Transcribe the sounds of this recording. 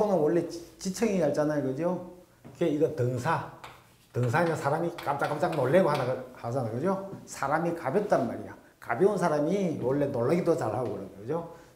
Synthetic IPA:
sʰonɯnwʌɭːe̞t͡ɕit͡ɕʰɯŋeaɭt͡ɕ͈anajokɯd͡ʑio | kɯɡeiɡʌtɯŋsʰa | tɯŋsʰamjʌnsʰaɾamikam̚t͡ɕ͈ak͈amt͡ɕaŋnoɭːeɡoɦadahad͡ʑanakɯd͡ʑosʰaɾamikabjʌt̚t͈anma̰ɾḭja | ka̰bjʌunsʰaɾamiwʌɭːe̞noɭːaɡidot͡ɕa̰ɭhaɡokɯɾʌɲokɯd͡ʑo

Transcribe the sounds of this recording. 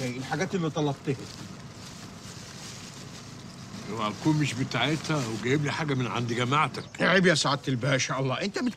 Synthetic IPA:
æjʔelħaɡæːt̪elːit̪ˤɑlɑb̚t̪ehe | howæʔækuːnmeʃbet̪aʕet̪hæweɡæjebliħaːɡæmenʕa̰nd̪iɡæmaʕt̪ækʕebiæsaʕad̪̚t̪elbæːʔnʃæːʔɑlˤːɑːʔent̪æmet̪

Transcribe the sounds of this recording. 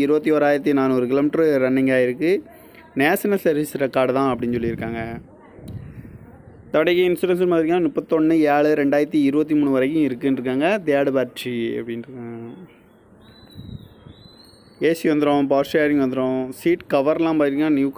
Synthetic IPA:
ɪɾɯbɐt̪̬ːioːɾaːjɪɾɐt̪ːinaːnɔːɾɯkɪloːmɪʈːɐɾɾɐnːɪŋɡaːjɪɾɯkːɯ | neːsɐnɐlsɐɾʋisɾɐkːaːɽɐt̪ãːɐp̬ːɐɽɪnːsɔlːiɪɾɯkːaːŋɡɐ | t̪ɔɽɐkːɐɪnsʊɾɐnsɐlmaːðɪɾiknaːnʊpːɐt̪ːɔɳːɯeːɭɯɾɛɳɖaːjɪɾɐt̪ːiɪɾɯbɐt̪ːimuːɳɯʋɐɾɐkːʊ̃ɪɾɯkːɯnɾɯkːaːŋɡɐt̪ɪjaːɽɯpaːɾʈt͡ʃiɐ̰pːɐɽɪna | eːsiʋɐnd̪ɪɾõpaːsʈaːɾɪ̃ŋɡʋɐnd̪ɪɾõsiːʈkɐʋɐɾlãːpaːðɪɾikːnaːnjuːk

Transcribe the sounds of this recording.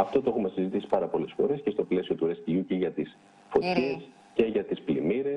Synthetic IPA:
ɐft̪o̞t̪oeumɐsizit̪isi̥pɐɾɐpo̞le̞sfo̞ɾesce̞st̪o̞ple̞sio̞t̪uɾest̪iʝuciʝɐt̪is | fo̞t̪çe̞s | ce̞ʝɐt̪isplimiɾe̞

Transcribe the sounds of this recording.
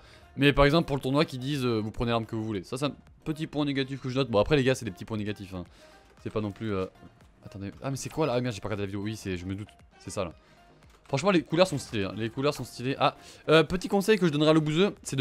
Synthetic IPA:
mɛpaʁɛɡzɑ̃plpuʁlət̪uʁnwakʲid̪izøvupχənelaʁmkəvuvulesasɛɛ̃ | pət̪ipwɛ̃neɡat̪̬ifkəʒənɔt̪̚bɔ̃apχɛleɡasɛd̪epət̪ipwɛ̃neɡat̪ifɛ̃ | sɛpanɔ̃plyø | at̪ɑ̃d̪eʔa̰mɛsɛkwalamɛʁʒepaʁɡaʁd̪elavid̪eowisɛʒəməd̪ut̪ | sɛsala̰ | fχɑ̃ʃmɑ̃lekulœʁsɔ̃st̪ileɛ̰̃lekulœʁsɔ̃st̪ileʔaøpət̪ikɔ̃sɛjkəʒəd̪ɔnʁɛaləbuzøsɛd̪

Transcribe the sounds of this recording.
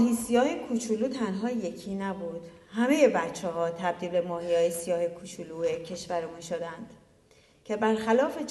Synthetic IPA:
mːɦisijɒːhekʰut͡ʃʰuluːt̪ʰænɦɒːje̞cʰiːnæbuːd̪̥hæme̞je̞bæt͡ʃʰːeɦɒːt̪ʰæbd̪iːlbe̞mɒːhijɒːjesijɒːhekʰut͡ʃʰuluːecʰe̞ʃvæɾemunʃod̪ænd̪̥ | cʰe̞bæɾxælɒːfe

